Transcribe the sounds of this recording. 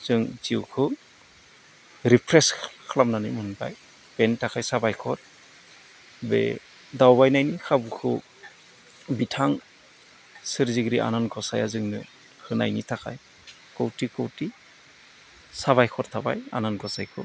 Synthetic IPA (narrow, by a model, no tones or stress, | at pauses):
z̥ɯŋziwkʰɯ | ɾipʰɾeskʰlamnanɯjmɯnba̰j | b̥entʰakʰajsabajkʰɔɾ | bḛ | dawbajnajnikʰabukʰɯ | bitʰaŋ | sɯɾziɡɾiʔa̰nanɡɔsajazɯŋnɯ | hɯna̰jnitʰakʰaj | kɔwtikʰɯwti | saβajkʰɔɾtʰaba̰ja̰nanɡɔsajkʰɯ̰